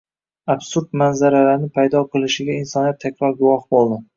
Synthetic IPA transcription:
absuɾd̪manzaɾalaɾnɪpʰajd̪ɒqʰɨlˠɪʃɪɡʲainsɒnijat̪ʰːakʲɾɒɾɡʊwɒhbolˠd̪ɪ

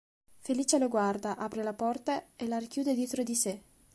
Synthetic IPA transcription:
feliːt͡ʃeloɡward̪aʔapɾelapɔrt̪aelarikjuːd̪ed̪jet̪ɾod̪ise

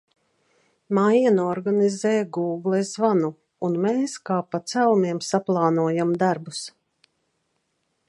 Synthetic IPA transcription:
majinɔɾɡanizɛːɡuːɡlˠɛzvanu | unmeːskaːpat̪sælumiɛmsaplˠɑːnuɔjamd̪aɾbus

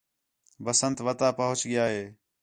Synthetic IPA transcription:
bəsənt̪ʋət̪aːpəɦʊt͡ʃɠɪjaːɦeː

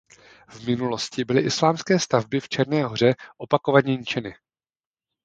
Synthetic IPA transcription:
vmɪnulo̞scɪbɪlɪʔɪslaːmskɛːst̪avbɪft͡ʃɛɾnɛːɦor̝ɛʔo̞pakovaɲɛɲɪt͡ʃɛnɪ

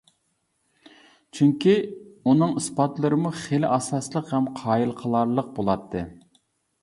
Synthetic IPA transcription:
t͡ʃʰyŋkʲiunɨŋispɑt̪lˠɨɾɨmuχelɪʔɑsɑslˠəqhɛmqʰɑːjilˠqʰəlˠɑɾlˠəq̚bolˠɑt̪ʰːɨ

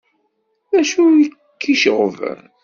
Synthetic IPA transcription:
æʃui | kʰːiʃʁəv

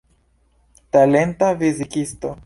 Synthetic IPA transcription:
tale̞ntavizikisto̞

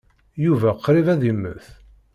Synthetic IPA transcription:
juvæqɾivæðimːə̰θ

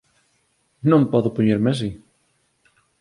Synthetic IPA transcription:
nõmpɔðʊpoɲeɾmeas̬i

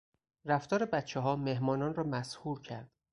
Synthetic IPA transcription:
ræft̪ɒːɾebæt̪t͡ʃʰːeɦɒːmeɦmɒːnɒːnrɒːmæshuːɾcʰæ̰ɾd̪̥

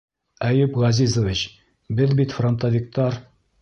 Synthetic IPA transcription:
æjɘpʁɑzʲizovʲit͡ɕ | bɘðbit̪front̪ovʲik̚t̪ɑɾ

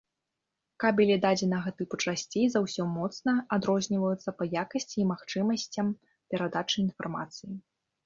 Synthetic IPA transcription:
kabʲɛlʲid̪ad͡zʲɛnɐɣɐt̪ɨput͡ʂasʲt͡sʲejzawsʲɔmɔt̪snɐad̪ɾɔzʲnʲivɐjut̪sːɐpɐjakɐsʲt͡sʲiːmaxt͡ʂɨmɐsʲt͡sʲɐm | pʲɛɾad̪at͡ʂɨin̪fa̰rma̰t̪sɨji

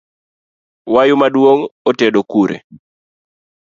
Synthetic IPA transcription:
wajʊmadwoŋɔtɛɗokuɾḛ

